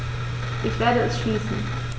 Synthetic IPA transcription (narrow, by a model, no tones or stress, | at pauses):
ʔɪçv̥eːɐɾəɛsʃliːsn̩